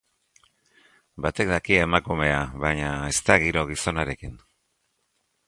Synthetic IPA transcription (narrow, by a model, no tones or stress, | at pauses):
bat̪e̞k̚d̪akiaemakume̞aβaɲae̞st̪aɣiɾo̞ɣ̞iso̞naɾe̞kin